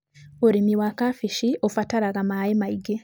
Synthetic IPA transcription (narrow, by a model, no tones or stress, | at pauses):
oɾimiwakafiʃiofataɾaɣamaemaiɡe